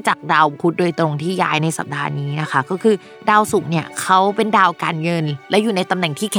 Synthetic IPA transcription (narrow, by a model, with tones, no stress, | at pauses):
t͡ɕaː˨˩k̚daː˧wkʰu˦˥t̪̚doː˧jt̪ɾo˧ŋt̪ʰiː˥˩ja̰ː˦˥jna˧jsa̰˨˩p̚da̰ː˧niː˦˥na˦˥kʰa˦˥kɔː˥˩kʰɯː˧ | daː˧wsu˨˩˦ni˥˩ɐkʰa˦˥wpe˧ndaː˧wka̰ː˧nŋɤ˧nlɛ˦˥wjuː˨˩na˧jt̪a˧mnɛ˨˩ŋt̪ʰiː˥˩kʰ